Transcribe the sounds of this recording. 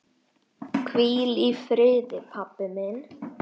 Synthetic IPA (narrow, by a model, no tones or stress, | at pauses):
kʰviːlifɾeːd̪əpʰapːəmɛn